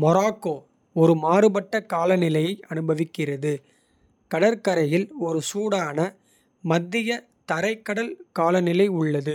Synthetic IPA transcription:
mɔɾaːkːoː | ɔɾɯmaːɾɯbɐʈːɐkaːlɐnɪlɐjɐɪʔɐnɯbɐʋɪkːɪrɐðɯ | kɐɽɐɾkɐɾɐjɪlɔɾɯsuːɽaːnɐ | mɐd̪ːɪjɐ | t̪ɐɾɐɪkːɐɽɐlkaːlɐnɪlɐɪʊɭːɐðɯ

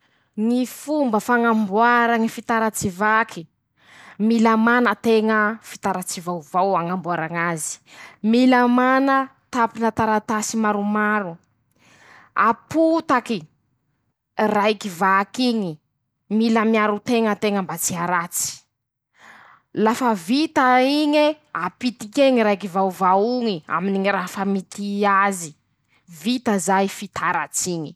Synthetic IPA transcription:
ŋifumbəfaŋambwaɾaŋifit̪aɾat͡sivakʰi | milamanət̪eŋəfi̥t̪aɾat͡sivawvawaŋambuaɾaŋazi̥miləmanə | t̪apinət̪aɾat̪asimaɾumaɾu | aput̪aki | rajkivakiɲi | miləmiaɾut̪eŋət̪eŋəmbat͡siaɾat͡si̥ | lafəvit̪aiɲe | apit̪ikeŋiɾajkivawvauŋia̰miniŋiɾafəmit̪iazi | vit̪əzajfit̪ʰaɾa̰t͡siɲi

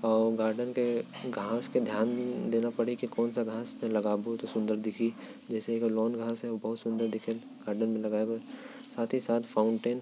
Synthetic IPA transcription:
ɔːɾɡaːɾɖənkeɡʱaːsked̪ʱjaːnd̪eːnapɐɽikikɔːnsaɡʱãːsnẽlɐɡaːbut̪osʊ̃nd̪əɾd̪ɪkʰi | d͡ʒɛːsekolɔːnɡʱãːsɦɛobɐɦʊt̪sʊ̃nd̪əɾd̪ɪkʰəl | ɡ̥aːɾɖənmẽlɐɡaːebo | saːt̪ʰisaːt̪ʰfaːʊ̃ɳʈeːn

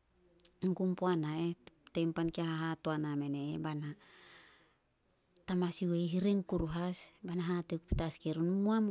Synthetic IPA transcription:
ŋɡumpuanaetejmpankiaɦaɦatoaname̞neːbana | tamasiwejɦiɾiŋkuɾuɦasbanaɦatekpi̥taskiɾunumuam

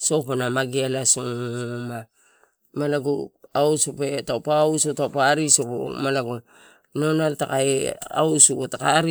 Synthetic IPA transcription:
sopanamaɡialasoŋma | malaɡo̰awsopetawpausotawpaɾisopo̰malaɡo | nonaltakaea̰wsukotakaɾi

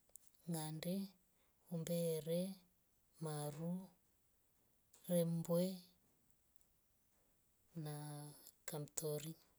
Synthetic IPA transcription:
ŋɡandɛ | umbɛɾɛ | maɾu | rɛmbwɛ | nakamtʰɔɾi

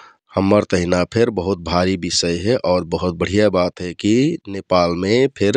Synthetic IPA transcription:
həmːəɾt̪əɦɪnapʰɪɾbəɦʊt̪̚bʱaːɾibɪsəjɦɛʔɔːɾbəɦʊt̪̚bəɽ̤ijabaːt̪ɦɛkinepaːlmẽpʰɪɾ

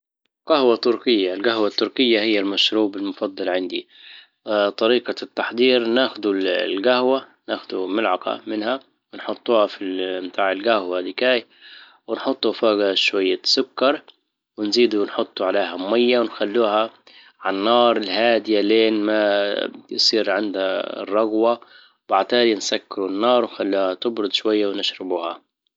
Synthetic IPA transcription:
ɡahwat̪ʊɾkɪjːaɪlɡahwat̪ːʊɾkɪjːahɪjːalmaʃɾuːbɪlmʊfɑd̪ˤːɑlʕɪnd̪ḭ | t̪ˤɑɾiːqɑt̪ːaħd̪ˤiːɾnaːxʊd̪ulɡahwanaːxʊd̪umɪlʕɑqɑ̰mɪnha | wɪnħʊt̪ˤːuːhafimt̪ʰaːʕɪlɡahwadɪkaːj | wɪnħʊt̪ˤːufaːɡaʃwajːasʊkːɑɾˤ | wɪnziːd̪unħʊt̪ˤːuʕaleːɦammajːawɪnxalːuːha | ʕanːɑːɾˤɪlhaːd̪ɪjaleːnmajsˤiːɾʕɪnd̪ha̰rˤːɑɣwa | wbaʕt̪aːd̪insakːɪɾunːɑːɾˤwnxalːuːhat̪ɪbɾʊd̪ˤʃwajːawnɪʃɾɪbuːha

